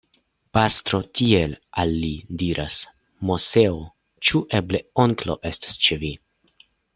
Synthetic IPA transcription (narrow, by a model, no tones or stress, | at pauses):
past̪ɾo̞tie̞lalːidiɾʔas | mo̞se̞o | t͡ʃuʔe̞ble̞oŋklo̞̰ʔe̞stḁst͡ʃevi